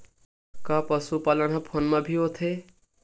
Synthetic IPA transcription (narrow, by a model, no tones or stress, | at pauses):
kapəsupalənɦʌpʰonmabʱiɦot̪ʰe